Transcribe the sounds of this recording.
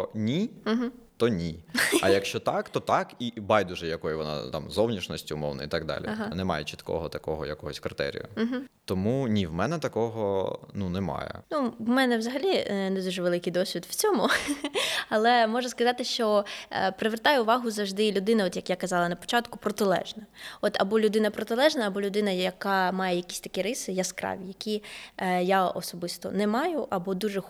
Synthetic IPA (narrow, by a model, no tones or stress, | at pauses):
ɔnʲiɦ̩t̪ɔnʲiɐjɐkʃt͡ʃɔt̪ɑkt̪ɔt̪ɑkibɑjd̪ʊʒɛjɐkɔjʊʋɔnɑ̰t̪ɑ̰mzɔwnʲiʃnɔsʲtʲʊmɔwnɐ̰it̪ɑɡ̚d̪ɑ̰lʲiɦnɛmɑ̰jɛt͡ʃi̥t̪kɔ̰ɦɔt̪ɐkɔɦɔjɐkɔɦɔsʲkɾɪt̪ɛ̰ɾʲḭjʊ̰m̩ɦ̩t̪ɔmunʲiʋmɛnɛt̪ɐkɔɦɔnunɛmɑ̰jɛ̰nuwmɛnɛʋzɐɦɐlʲinɛd̪uʒɛʋelˠɪkɪjd̪ɔsʲʋʲid̪wt͡sʲɔmʊ | ɐlˠɛmɔʒɐskɐzɑt̪ɪʃt͡ʃɔpɾɪʋert̪ɑjʊʊʋɑɦʊzɐʒd̪ɪlʲʊd̪ɪnɐɔt̪jɐkjakɐzɑlˠɐnɐpɔ̥t͡ʃɑt̪kʊpɾɔt̪ɪlˠɛ̰ʒnɐɔt̪ɐ̰bɔlʲʊd̪ɪnɐpɾɔt̪ɪlˠɛʒnɐːbɔlʲʊd̪ɪnɐjɐɐkɑmɑjɛjɐkʲi̥sʲt̪ɐkʲiɾɪsɪjaskɾɑ̰ʋʲijɐkʲi | jaɔ̰sɔbɪst̪ɔ̰nɛmɑjʊʔɐbɔd̪uʒɛ